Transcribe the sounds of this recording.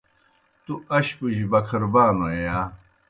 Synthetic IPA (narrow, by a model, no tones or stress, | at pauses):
t̪uɐɕpuʑibɐkʰɐɾbaːnojaː